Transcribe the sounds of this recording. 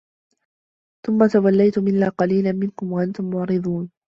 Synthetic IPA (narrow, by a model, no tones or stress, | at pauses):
θʊmːat̪awalːajt̪ʊmɪnːaːqɑliːlanmɪnkʊmwaʔant̪ʊmːʊʕɾɨd̪ˤuːn